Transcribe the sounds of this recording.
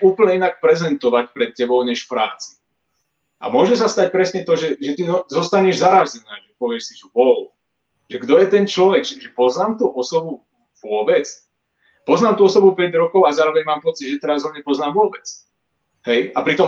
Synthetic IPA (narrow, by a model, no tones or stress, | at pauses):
uːpl̩ɲɛinak̚pɾɛzɛnt̪ɔʋac̚pɾɛt̪̚cɛbɔʊɲɛʃfpɾaːt͡si̥ | ʔa̰mʊɔʒɛsast̪ac̚pɾɛsɲɛt̪ɔʒɛʒɛt̪iɔzɔst̪aɲɛʒzaɾazɛnaːʒɛpɔʋɪɛʃsit͡ʃubɔl | ʒɛɡd̪ɔjɛt̪ɛnt͡ʃlɔʋɛɡʒɛʒɛpɔznaːmt̪uʔɔsɔbu | vʊɔbɛt͡s | pɔznaːmt̪uɔsɔbupɛɟɾɔkɔʊazaːɾɔʋɛɲmaːmpɔt͡siɟʒɛt̪ɛɾazɦɔɲɛpɔznaːmvʊɔbɛt͡s | ɦɛjapɾit̪ɔm